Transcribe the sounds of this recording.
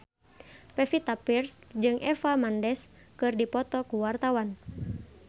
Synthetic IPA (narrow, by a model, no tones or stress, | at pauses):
pɛfit̪apirsd͡ʒɨŋʔɛfamandɛs | kɨrdipɔt̪ɔkuwart̪awan